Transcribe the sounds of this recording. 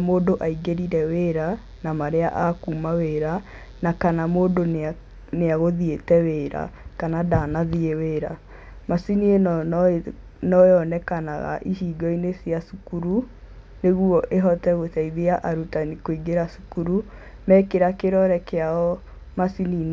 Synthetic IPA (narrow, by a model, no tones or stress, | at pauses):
moːdoʔaiɣeɾiɾɛweɾa | namaɾeaʔakumaweɾa | nakanamoːdo | neaɣoðietɛweːɾa̰kanadanaðieweːɾa̰ | masinie | nɔjɔnɛkanaɣa̰ʔihiːɡɔinesiasukuɾu | neɣuɔʔeɦɔtɛɣotɛiðeaʔaɾutanikoiɡeɾasu̥kuɾu | mɛkeɾakeɾɔɾɛkeaɔ | masinin